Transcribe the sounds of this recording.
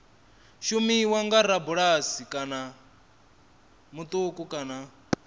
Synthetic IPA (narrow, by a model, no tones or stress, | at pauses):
ʃumiwaŋɡaɾabuɺasikʼana | mut̪ʼukʼukʼana